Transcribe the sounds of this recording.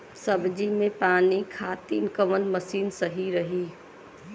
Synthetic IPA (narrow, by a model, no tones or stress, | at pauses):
səbd͡ʒimẽpanikʰat̪inkəʋənməsiːnsəɦiɾəɦi